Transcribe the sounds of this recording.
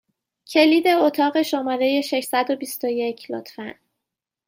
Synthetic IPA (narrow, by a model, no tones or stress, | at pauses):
cʰe̞liːd̪e̞ot̪ʰɒːɣe̞ʃomɒːɾe̞je̞ʃe̞ʃsæd̪o̞bist̪o̞jecʰlo̰t̪ʰfæn